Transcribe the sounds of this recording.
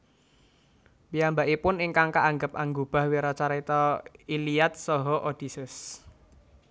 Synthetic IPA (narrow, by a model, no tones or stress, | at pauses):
bijambaʔipʊnɪŋkaŋkaʔaŋɡəp̚aŋɡob̥a̤hweɾɔt͡ʃaɾit̪ɔiliat̪̚sɔɦɔʔod̪̥isɪs